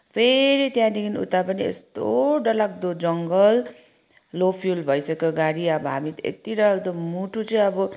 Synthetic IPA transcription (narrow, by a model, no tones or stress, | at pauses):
pʰeɾiʈjãniɡinṵt̪apʌniḛst̪oɖʌlak̚d̪od͡zʌŋɡʌl | lopʰjulbʱʌjsʌkʌɡaɾiʌbʌɦa̰mit̪ḛkt̪iɾʌlaɡd̪omuʈut͡sʌĩʌbʌ